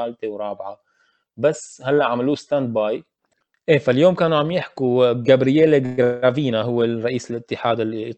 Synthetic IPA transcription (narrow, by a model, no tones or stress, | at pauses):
aːlt̪ewɾˤɑːbʕa | basːhalːaʔʕamaluːst̪and̪̚baːj | ʔeːfaljoːmkaːnuʕamjɪħkuɡabɾɪjeːleɡɾaviːnaɦʊwːerˤːɑʔiːsɪlʔɪt̪ːɪħaːd̪ɪlː